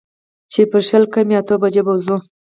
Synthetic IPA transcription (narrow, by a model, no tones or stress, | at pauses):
t͡ʃepəɾʃəlkameat̪obad͡ʒebawzu